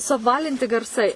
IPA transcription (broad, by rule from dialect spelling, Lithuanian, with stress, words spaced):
sʊɐpˈʋɑːlʲɪnʲtʲɪ ɡɐrˈsɐɪ